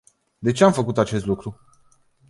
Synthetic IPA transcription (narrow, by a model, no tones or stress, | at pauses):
d̪e̞t͡ʃe̞amfəkut̪at͡ʃest̪lukɾu